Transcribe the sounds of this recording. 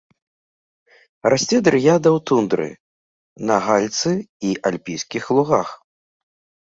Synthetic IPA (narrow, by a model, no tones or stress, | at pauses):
rasʲt͡sʲɛd̪ɾɨjad̪ɐwt̪und̪ɾɨ̰ | nɐɣalʲt̪sɨiʔalʲpʲijskʲixlˠuɣax